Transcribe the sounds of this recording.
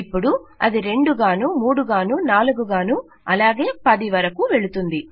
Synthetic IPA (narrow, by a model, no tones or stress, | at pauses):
ipːuɽuɐ̰d̪iɾe̞ɳɖuɡaːnuːmuːɽuɡaːnuːnaːluɡuɡaːnu | ɐlaːɡe̞ːpɐd̪iʋɐɾɐkuʋe̞ɭut̪und̪i